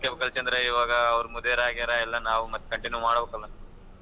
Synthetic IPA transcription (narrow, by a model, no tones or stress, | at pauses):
kɐbɐkɐlt͡ʃɐnd̪ɾɐiʋaːɡɐːʋɐɾumund̪eɾaːɡiɐɾɐɛlːɐnaːʋumɐt̪ːkɐɳʈinjumaːɽbekɐlːɐ